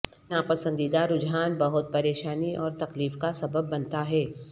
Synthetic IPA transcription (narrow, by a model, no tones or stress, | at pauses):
aːpəsə̃nd̪id̪aɾʊd͡ʒɦaːnbɐɦʊt̪̚pɐɾeːʃaːniʔɔːɾt̪ɐkliːfkasɐbəbːɐnt̪aɦɛː